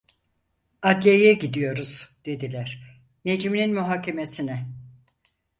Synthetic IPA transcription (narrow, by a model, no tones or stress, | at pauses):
ad̪lʲejɛɟid̪ijo̞ɾuz̥d̪̥e̞d̪ilʲæɾ̥ | ne̞d͡ʒimininmyɦaːcʰe̞me̞sinɛ